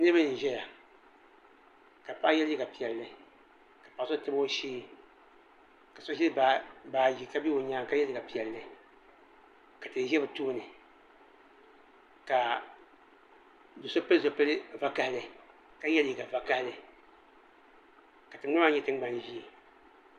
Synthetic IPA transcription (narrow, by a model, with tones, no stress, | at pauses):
nɨ˦bɨ˦nɨ˨n˨ʒɛ˦ja˨ | ka˨pa˦jɛ˦lji˦ɡa˨pi˨ɛ˨lːɨ˦ | ka˨pa˨˦so˦tɨ˦bo˦ʃiː˦ | ka˨so˦ʒi˦a˨baː˨ji˨ka˦bi˦o˨ɲaː˦ŋ˦ka˦jɛ˦li˦ɡa˨pi˨ɛ˨lːɨ˦ | ka˨tɨ˨˦ʒɛ˦bɨ˨tuː˦nɨ˨ | ka˨ | do˨so˦pɨ˦lɨ˦zo˨pɨ˦lɨ˦va˦ka˦hlɨ˨ | ka˦jɛ˦lji˦˨ɡa˨va˦ka˦hlɨ˨ | ka˨tɨ˨ŋ˦a˦ma˦ɲɛ˦tɨ˦ŋ˦ɡ͡ba˦nʒi˦˨